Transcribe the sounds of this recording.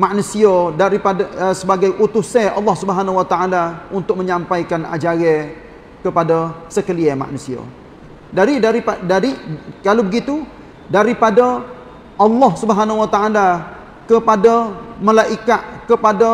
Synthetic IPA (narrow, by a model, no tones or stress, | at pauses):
maʔnusiadaɾipadasəbaɡajʔut̪usɛʔɑ̰lːɑhsubəɦanawat̪aʔalaunt̪ʊk̚məɲãmpajkana̰d͡ʒaɾɛ | kəpadasəkəliɛma̰ʔnusia̰ | daɾidaɾiadaɾikalawbəɡit̪u | daɾipada | ʔɑlːɔhsubəɦanawat̪aʔala | kəpadaməlaʔikaʔkəpada